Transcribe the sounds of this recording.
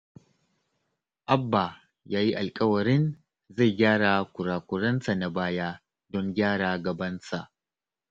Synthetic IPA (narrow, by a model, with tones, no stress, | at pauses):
ʔa˦bːa˨ | jaː˦ji˦ʔa˨lkʼɐ˦wɐ˨ɾɪ˦n | za˦˨jɡʲaː˦ɽaː˨kʷʊ˨ɾaː˨kʷʊ˨ɾɐ˦nsa˨na˨baː˦jaː˦ | dɔ˦ŋɡʲaː˦ɽaː˨ɡɐ˨bɐ˦nsa˨ʔ